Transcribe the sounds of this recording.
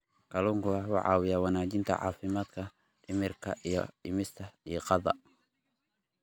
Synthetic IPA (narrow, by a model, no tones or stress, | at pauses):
kʰɐluːŋkʰʊɐwɑ̰ʕɑ̰ːwɪjaːwɑnaːt͡ʃɪnt̪ʰɐ̰ʕɑ̰ːfɪmaːd̪kʰɐ | ʔɪmɪrkʰɐʔijɔ̰ɪmɪst̪ʰɐijɔqɑðɑ̰